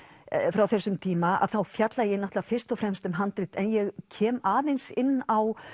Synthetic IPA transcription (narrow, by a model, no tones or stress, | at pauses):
fɾawθɛsːʏmt̪ʰiːmaa̰ðθawfjat̪lajɛnaht̪lafɪr̥st̪ɔfɾɛmst̪ʏmɦant̪ɾɪht̪ɛnjɛɣcʰɛːmaːðensɪnːaw